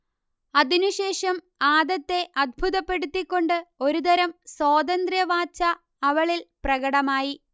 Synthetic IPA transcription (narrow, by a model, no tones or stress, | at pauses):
ɐðinuɕe̞ːʂɐm | aːd̪ɐt̪ːe̞ʔɐd̪̚bʱuðɐpːe̞ɽut̪ːikʲːo̞ɳɖɨo̞ɾud̪ɐɾɐmswoːd̪ɐnd̪rjɐʋaːt͡ɕːɐ | ɐʋɐɭilprɐɣɐɽɐmaːji